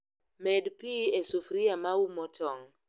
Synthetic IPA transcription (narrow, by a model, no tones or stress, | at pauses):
mɛdpiesufɾiamaumɔtʰɔŋ